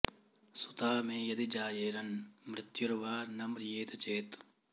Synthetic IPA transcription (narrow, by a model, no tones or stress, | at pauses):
sut̪aːmẽːjɐd̪id͡ʒaːjeːɾɐnmɾɪt̪juɾʋaːɾnɐmɾjeːt̪ɐt͡ʃeːt̪